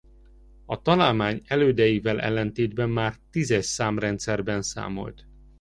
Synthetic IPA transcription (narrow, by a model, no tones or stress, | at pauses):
ɒt̪ɒlaːlmaːɲɛløːd̪ɛjivɛlʔɛ̰lːɛnt̪eːd̪bɛmːaːrt̪izɛʃsaːmrɛnt̪sɛrbɛnsa̰ːmo̞̰lt̪